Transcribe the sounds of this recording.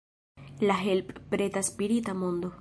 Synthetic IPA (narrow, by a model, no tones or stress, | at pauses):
laɦelppɾet̪aspiɾit̪amond̪o